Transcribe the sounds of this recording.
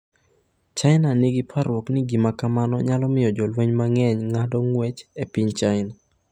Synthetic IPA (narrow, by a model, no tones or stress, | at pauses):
t͡ʃaɪnanɪɡipʰaɾwɔknɪɡimakamanɔ̰ɲalɔmɪjɔd͡ʒɔlweɲmaŋɛɲŋadɔŋwɛt͡ʃepɪɲt͡ʃaɪna